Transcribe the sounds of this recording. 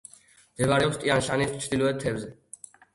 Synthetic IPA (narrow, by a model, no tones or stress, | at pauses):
md̪̥ɛbaɾɛɔpst̪ʼianʃanist͡ʃʰd̪ilɔɛt̪̚t̪ʰːɛbzɛ